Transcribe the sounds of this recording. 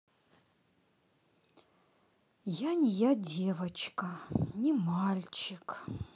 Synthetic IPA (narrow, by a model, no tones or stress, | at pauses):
janʲijadʲevɐt͡ʃʰkʼɐnʲimalʲt͡ʃʰɪkʰ